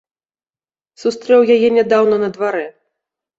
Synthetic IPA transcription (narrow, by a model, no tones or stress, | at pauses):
sust̪ɾɛwjajɛnʲad̪awnɐnɐd̪vaɾɛ